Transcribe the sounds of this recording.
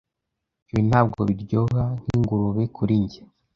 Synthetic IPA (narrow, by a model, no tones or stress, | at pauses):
βin̥haːbɡo̰βiɾɟoɦan̥hiŋɡuɾuβekʰuɾiɲɟe